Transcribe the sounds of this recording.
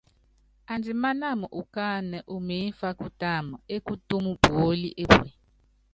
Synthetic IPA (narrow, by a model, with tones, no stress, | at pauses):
a˨nd͡zi˨ma˦na˦˨mu˨ʔu˨ka˦nɛ˨ʔu˨me˨˦fa˦ku˦ta˦˨ma˨e˦kʼu˦tu˦mu˦b̥o˦li˦ʔe˦be˨